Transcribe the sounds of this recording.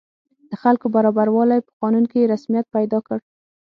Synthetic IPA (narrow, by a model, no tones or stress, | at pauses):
d̪̥əxalkobaɾɑbaɾwɑlajpə̥qɑnunkejeɾasmijat̪̚pajd̪ɑkəɽ